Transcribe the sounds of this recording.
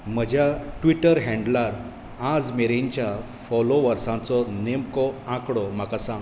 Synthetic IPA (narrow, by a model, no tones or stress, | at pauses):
m̤əd͡ʑʱjaʈʋiʈəɾɦɛ̃ɳɖlaɾ | ad͡zmeɾẽɲt͡ɕja | fɔloʋəɾsãt͡sɔnemkɔãkɽɔm̤akasãŋɡ